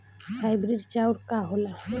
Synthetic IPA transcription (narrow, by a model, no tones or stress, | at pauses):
fʰajbɾiɖt͡ɕawɾkaɦola